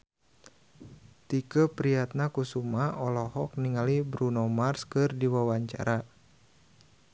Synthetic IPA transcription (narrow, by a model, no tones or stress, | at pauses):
t̪ikəpɾiat̪̚nakusumaɔlɔhɔk̚niŋalibɾunomarskɨrdiwawaɲt͡ʃa̰ɾa